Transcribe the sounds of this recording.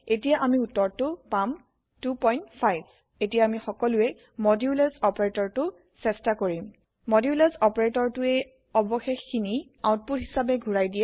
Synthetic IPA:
etijaʔamiutːɔɹtʊpam | tupɔjntpʰajb | etijaːmixɔkɔlʊɛ | mɔdiulezɔpɔɹetɔɹtʊ | sɛstakoɹim | mɔdiulezɔpɔɹetɔɹtʊej | ɔbɔxexːini | awʊ̃t̚putɦisabɛɡʱuɹajdijɛ

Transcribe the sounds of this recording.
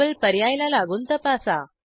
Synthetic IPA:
əlpəɾjajlalaɡuːnt̪əpasa

